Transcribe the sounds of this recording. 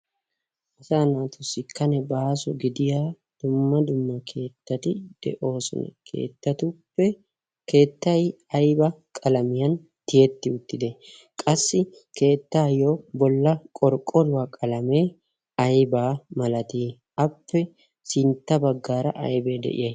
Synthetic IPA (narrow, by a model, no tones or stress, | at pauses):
ʔɐsaːnaːt̪ʊsːɪkːɐnɛbaːsɔɡɪd̪ɪjaː | d̪̥ʊmːɐd̪ʊmːɐkʰe̞ːt̪ːɐt̪ɪd̪̥ɛ̰ʔo̞ːsɔ̰nɐ̰kʰe̞̰ːt̪ːɐt̪ʊpːɛ | ke̞ːt̪ːɐj | ɐjbɐkʼɐlɐmɪjɐn | t̪ɪjɛt̪ːɪʊt̪ːɪd̪ɛ | kʼɐsːɪ | ke̞ːt̪ːaːjoːbɔlːɐkʼɔɾkʼːɔlʊwaːkʼɐlɐmeː | ɐjbaːmɐlɐt̪iː | ʔɐpːɛ | sɪnt̪ːɐbɐɡːaːɾɐʔɐ̰jbe̞ːd̪ɛ̰ʔɪ̰jɐj